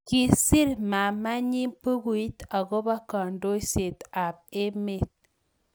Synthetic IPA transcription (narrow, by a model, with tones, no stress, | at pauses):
ki˨si˦ɾma˨ma˦ɲi˦mpu˦ɣu˨i˦t̪a˨ɣo˦ba˦ka˨ndo˦jse˨t̪a˨pe˦me˦˨t̪̚